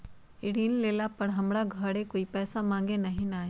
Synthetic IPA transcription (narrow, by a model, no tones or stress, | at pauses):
ɪɽiːnleːlapɐɽɦɐmɽaɡʱaːɽekoːipɛːsamãːŋɡenɐɦĩnaː